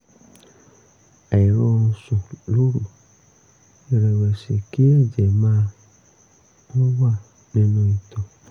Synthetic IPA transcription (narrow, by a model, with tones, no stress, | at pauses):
a˨i˨ɾɔ̃˧˦˧sɔ̃˨lo˨˦ɾu˨ | i˧ɾɛ˨wɛ˨si˨ki˦ɛ˦˨d͡ʒɛ˨mãː˦ | nɔ̃˦wa˦˨ | nĩ˦nũ˦i˨tɔ̃˨